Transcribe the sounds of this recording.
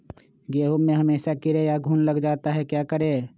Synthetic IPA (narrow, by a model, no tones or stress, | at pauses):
ɡeːɦomːẽɦɐmeːʃakɪɾejaɡʱuːnlɐɡd͡ʒaːt̪aɦɛkjaːkɐɾeː